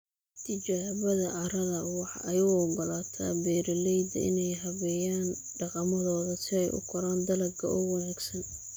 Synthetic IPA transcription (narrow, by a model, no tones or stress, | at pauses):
t̪ʰɪt͡ʃaːβɐðɐʕɑɾɐðɐwɑħɑʔɐjɐɣɔɡɔlaːt̪ʰa̰ːbɛːɾɐlɛjd̪ɐɪ̰nɛjɦɐβɛjaːn | ɖɑqɑmɐðɔːðɐsɪɛjʔʊ̰kʰʊɾaːnd̪ɐlɐɡʰɐ̰ʔʊɣɑnaːɡsɐn